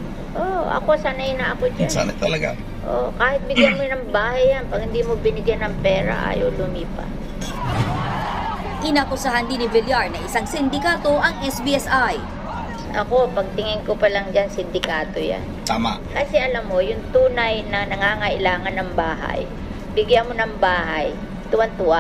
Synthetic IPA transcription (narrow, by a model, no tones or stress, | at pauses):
ʔoʔɐ̰ko̞sanajnɐʔɐko̞d͡ʒasa̰nɐt̪ɐlɐɡa̰ | ʔo̰kaːhɪt̪̚bɪɡjanmonɐŋbaːhajːanpɐɡ̚hɪnd̪iːmobɪnɪɡjanɐŋpɛːɾɐ̰ʔa̰ːjolʊmiːpɐ̰ | ʔɪnapʊsɐɦɐnd̪inɪvɪljaɹnɐʔɪsaŋsɪnd̪ɪkaːt̪o̞ʔɐŋʔɛsbiɛsaj | ʔɐ̰ko̞pɐɡ̚t̪ɪŋɪnkopɐlɐŋd͡ʒansɪnd̪ɪkaːt̪o̞ja̰nt̪aːmaʔkɐsɛʔɐlamːo̞jʊŋt̪uːnajnɐnɐŋaːŋɐʔɪlaːŋɐnːɐŋbaːɦa̰j | bɪɡjanmo̞nɐŋbaːɦaj | t̪ʊwant̪ʊwa